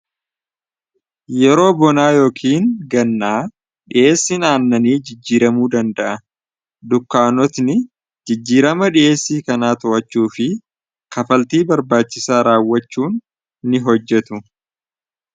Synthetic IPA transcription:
jɛɾo̞ːbɔnaːjo̞ːkʰiːŋɡɐnːaː | ᶑɪʔe̞ːsːɪnaːnːɐniːd͡ʒɪd͡ʒːiːɾɐmuːd̪ɐnd̪ɐʔɐ | d̪ʊkːaːnɔt̪nɪ | d͡ʒɪd͡ʒːiːɾɐmɐᶑɪʔe̞ːsːiːkɐnaːt̪ʊʔɐt͡ʃːuːfɪ | kɐfɐlt̪iːbɐɾbaːt͡ʃːɪsaːɾaːwːɐt͡ʃːuːn | nɪɦɔd͡ʒːɛt̪ʊ

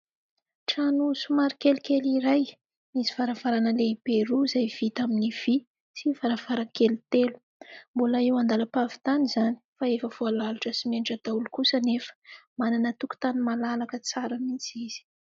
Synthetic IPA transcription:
ʈ͡ʂanusumaɾikelikeliɾaj | miziv̥aɾav̥aɾanəleb̥eɾuzajv̥it̪aminiv̥i | sivaɾav̥aɾakelit̪elu̥ | mbulaiwand̪aləpavi̥t̪anizani̥faefəv̥oalaluʈ͡ʂəsimeɳʈ͡ʂəd̪aulukusənefə̥mananət̪uku̥t̪animalalakət͡saɾamint͡siz̥i̥

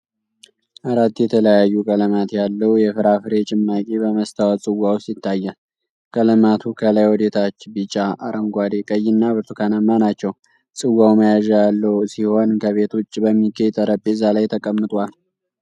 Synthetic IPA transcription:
ʔaɾat̪ːjɛt̪ʰələjajːukʼələmat̪jalːəwjɛfɨɾafɨɾe̞t͡ʃʼɪmːakʼebəməst̪ʰawat͡sʼɨwːawsɪt̪ʰːajːa | kʼələmat̪ʰukʰəlajwɔd̪e̞t̪ʰat͡ʃːbɨt͡ʃʼːaʔaɾʔəŋɡʷad̪ekʼəjːɪnːabɨt̪ʰukʰanamːanat͡ʃːɛw | sʼɨwːawməjaʒajalːəwsiho̞nkʰəβe̞t̪ʰot͡ʃːbəmːiɡet̪ʼəɾəpʼːezalajt̪ʰəkʼəmːɨt̪ʼwal

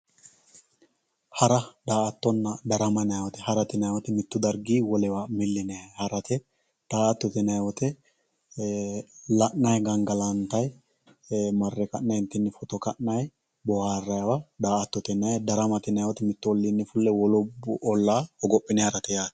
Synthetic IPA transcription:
hɐɾɐd̪aːɐt̪ːɔnːɐd̪ɐɾɐmɐnɐjwɔt̪ɛhɐɾɐt̪ɪnɐjwɔt̪ɛmɪt̪ːʊd̪ɐɾɡiːwɔlɛwamɪlːɪnɛhɐɾɐt̪ɛ | d̪̥aːt̪ːɔt̪ɛnɐjwɔt̪ɛ | lɐʔnɐjɡɐŋɡɐlɐnt̪ɐj | mɐrːɛkɐʔnɐjnt̪ːɪnːɛfɔt̪ɔkɐʔnɐj | bɔhaːrɐjwɐd̪aːʔɐt̪ːɔt̪ɛnɐjd̪ɐɾɐmɐt̪ɪnɐjwɔt̪ɛmɪt̪ːʊɔlːinːɪfʊlːɛwɔlɔbʊʔɔlːaːɔɡɔpʼːɪnɛhɐɾɐt̪ɛjaːt̪

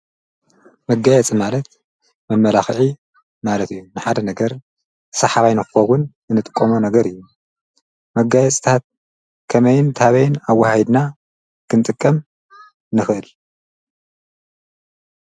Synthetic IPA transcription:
mɐɡajɛt͡sʼimalɐt̪̚ | mɐmːɐlaxʕi | malɐt̪ɨjːunɨħad̪ɐnɐɡɐɾ | sɐħaβajnɨxxɐwʊn | ɨnɨt̪ʼɨkʼːomunɐɡɐɾɨjːu | mɐɡajɛt͡sʼt̪ʰat̪̚ | kʰɐmɐjɪnt̪ʰaβɐjɪnawːahajd̪na | kʰɨnt̪ʼɨkʼːɐm | nɨxɨʔɨl

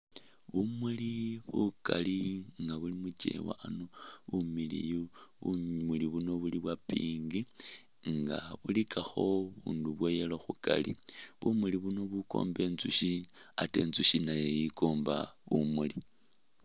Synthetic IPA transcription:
βumuliβukaliŋɡaβulimut͡ʃe̞̰wa̰ʔanoβumilḭjuβumuliβuno̞βuliβwapiːŋɡi | ŋɡaβulikʰaxo̞βuːnduβwejeloxuka̰lḭβumuliβuno̞βuko̞̰ːmbe̞ːnt͡suʃiate̞̰ːnzuʃinajejikoːmbaβumuli

